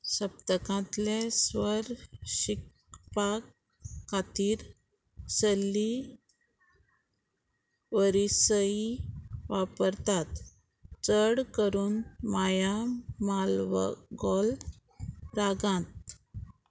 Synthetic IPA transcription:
ɕəp̚t̪əkãt̪lesʋəɾɕik | pakʰː | at̪iːɾ | səlːi | ʋəɾisəiʋapəɾt̪at̪ | t͡səɽkəɾuːnmajamalʋə̰ɡɔl | ɾaɡãt̪̚

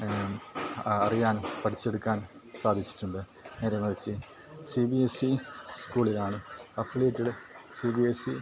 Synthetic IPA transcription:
ɐrijaːnpɐʈʰit͡ɕːe̞ɽukːaːn | saːd̪ʱit͡ɕːi̥ʈːuɳɖɨ | ne̞ːɾɐmɐrit͡ɕːɨ | sibiesiskuːɭinaːɳɨɐpʰleːʈːiɽesibiesi

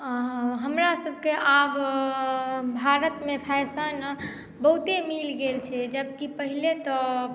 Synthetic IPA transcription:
ɦəmɾasəb̚ʱkeʔab | bʱaɾət̪mepʰɛsən | bəɦut̪emilɡelt͡ʃʰɛd͡ʒəbkipəɦilet̪ɔ

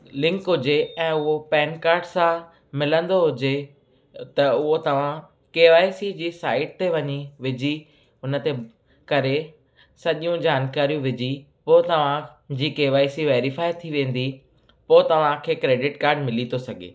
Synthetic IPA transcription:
lɪ̃ŋkɦʊd͡ʑeɛ̃ːʊɦopɛːnkaːɾɖsã | mɪlə̃nd̪oɦʊd͡ʑe | t̪ɐʊɦot̪ɐʋ̤ã | keːʋaːisid͡ʑiːsaːɪʈ̚t̪eʋɐɲiʋɪd͡ʑi | ʊnə̆t̪e | kɐɾe | sɐʄijũd͡ʑaːnkaːɾijũʋɪd͡ʑi | poːt̪ɐʋ̤ãd͡ʑiːkeːʋaːisiʋeːɾifaːɪt̪ʰiʋẽːn̆d̪i | poːt̪ɐʋ̤ãkʰeːkɾeːɖɪʈkaːɾɖmɪlit̪ʰosɐɡʱḛː

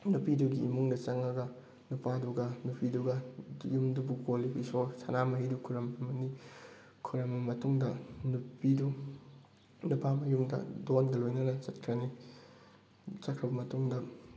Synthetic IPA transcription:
nupiduɡiːmuŋdɐt͡ʃɐŋɐɡɐ | nupaduɡɐnupiduɡɐjumdubukoliisosʰɐnamɐɦidukʰuɾɐmɐmɐni | kʰuɾɐmimɐtuŋdɐnupidu | nupamɐjumdɐ̰donɡɐlojnɐnɐt͡ʃɐt̚kʰɾɐni | t͡ʃɐkʰɾɐbɐmɐtuŋdɐ

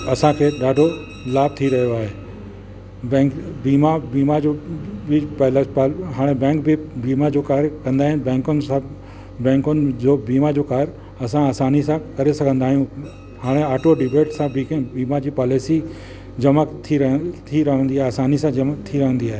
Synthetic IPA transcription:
ɐsãkʰeːɗaːɖʱo | laːb̚t̪ʰiɾɐɦijoaːɦeː | bɛ̃ːkbiːmabiːmad͡ʑobɪpɐɦlapaɦaːɽ̃ebɛ̃ːŋk̚bɪbiːmad͡ʑoːkaːɾkɐ̃nd̪aːɦɪnɪ̆bɛ̃ːŋkʊnɪsã | bɛ̃ːŋkʊnɪd͡ʑoːbiːmad͡ʑoːkaːɾ | ɐsãaːsaːnisãkɐɾesɐɡʱə̃nd̪aːɦijũ | haːɽ̃eaːʈʰoɖɪbeːʈsãbikbiːmad͡ʑiːpaːlesi | d͡ʑɐmat̪ʰiɾɐɦt̪ʰiɾɐɦə̃nd̪iaːɦaːsaːnisãɐmt̪ʰiɾɐɦə̃nd̪iaːɦe

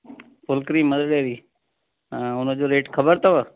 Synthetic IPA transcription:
pʊlkɾiːməd̪əɽeːɾĩː | ʊnõːd͡ʒoːɾeːʈkʰəbəɾt̪oʋə

